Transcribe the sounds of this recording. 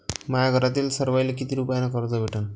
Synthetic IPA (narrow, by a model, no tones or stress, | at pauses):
majaɡʱəɾat̪iːlsəɾʋajlekit̪iɾupanakəɾt̪abʱeʈʰa